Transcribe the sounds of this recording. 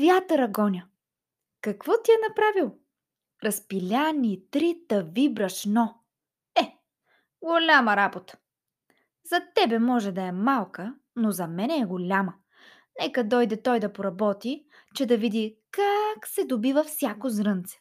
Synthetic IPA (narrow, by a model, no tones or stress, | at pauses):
vʲjat̪ɾɐɡɔnʲɐ | kɐkvɔt̪iɛnɐpɾavilˠ | ɾɐspilʲanʲit̪ɾit̪ɐvibɾɐʃnɔ | ɛ | ɡolʲamɐɾabot̪ə̥ | zɐt̪ɛbɛmɔʒɛd̪ɐɛmalˠkə | nozɐmɛnɛːɡolʲamə | nɛkɐd̪ɔjd̪ɛt̪ɔjd̪ɐpoɾɐbɔt̪i | t͡ʃɛd̪ɐvid̪ikaksɛd̪obivɐfsʲjakozɾɤnt̪sɛ̥